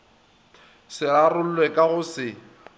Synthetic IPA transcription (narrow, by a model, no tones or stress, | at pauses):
sɪarʊl̩lwɛkʼaɣʊsɪ